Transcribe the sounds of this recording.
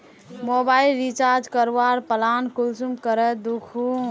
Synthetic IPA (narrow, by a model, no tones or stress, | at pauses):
mobailɾit͡ʃaɾd͡ʒkəɾwaɾpəlankulsumkəɾəd̪ukʰu